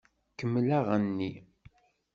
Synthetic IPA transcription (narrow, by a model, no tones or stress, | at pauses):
kəmːlaʁənːi